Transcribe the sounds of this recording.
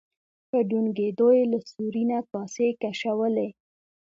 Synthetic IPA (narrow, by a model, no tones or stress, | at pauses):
pəɖunɡed̪ojelasuɾinakɑsekaʃawəle